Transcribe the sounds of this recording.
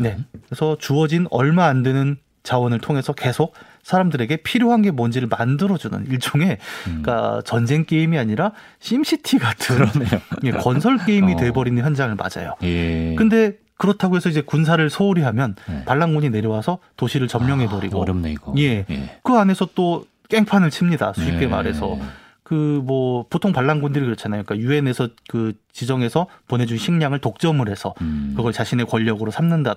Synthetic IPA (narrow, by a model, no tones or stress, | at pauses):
ne̞esʰʌt͡ɕuʌd͡ʑinʌɭmaːndwe̞nɯn | t͡ɕawʌnɯɭtʰoŋɦe̞sʰʌke̞sʰok̚ | s͈ʰaɾamdɯɾe̞ɡe̞pʰiɾjoɦanɡe̞mʌnd͡ʑiɾɯɭmandɯɾʌd͡ʑunɯ̰niɭt͡ɕ͈oŋe̞k͈a̰t͡ɕʌnd͡ʑe̞ŋk͈e̞imiaɲiɾa | ɕʰimɕʰitʰiɡatʰɯnje̞kʌnsʰʌɭk͈e̞imitwe̞bʌɾinɯnçjʌnd͡ʑaŋɯɭma̰d͡ʑa̰jo̰kɯnde̞ | kɯɾʌtʰaɡoɦesʰʌid͡ʑe̞kuns̬ʰaɾɯɭsʰʌuɾiɦamjʌnpaɭːaŋɡuɲine̞ɾjʌwasʰʌtoɕʰiɾɯɭt͡ɕʌmɲjʌŋɦe̞bʌɾiɡoje̞kɯane̞sʰʌt͈o | k͈e̞ŋpʰanɯɭt͡ɕʰimɲida̰sʰuip̚k͈e̞ma̰ɾɦe̞sʰʌ̰ | kɯmwʌpotʰoŋpaɭːaŋɡundɯɾikɯɾʌt͡ɕʰanajoɲikajue̞ne̞sʰʌkɯt͡ɕid͡ʑʌŋe̞sʰʌponɦe̞d͡ʑuŋɕʰiŋɲaŋɯɭtok̚t͡ɕ͈ʌmɯɾɦe̞sʰʌ̰kɯɡʌɭt͡ɕaɕʰine̞kwʌʎːʌɡɯɾosʰamnɯnda